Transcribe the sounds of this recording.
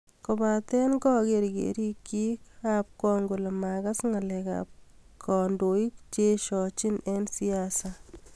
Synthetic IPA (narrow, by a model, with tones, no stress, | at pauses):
ko˨ba˨t̪ɛ˦nɡɔ˦keɾɡḛɾi˦kːi˦kap̚kɔ˦ŋɡu˨le˨makɐsŋalɛka̰p̚kʰɔndo˨i˦kt͡ʃeʃɔ˨t͡ʃi˦ne˦nsiasa